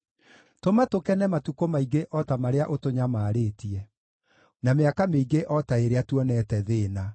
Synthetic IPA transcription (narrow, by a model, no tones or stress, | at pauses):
tomatokɛnɛmatukomaiɡeʔɔtamaɾeaʔotoɲamaːɾeːtiɛ | nameakameiɡeʔɔtaeɾeatwɔnɛtɛðeːna